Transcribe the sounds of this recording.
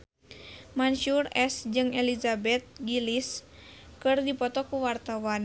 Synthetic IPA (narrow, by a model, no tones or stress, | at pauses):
manʃurɛsd͡ʒɨŋɛlizabɛt̪̚ɡiliskɨrdipɔt̪ɔkuwart̪awan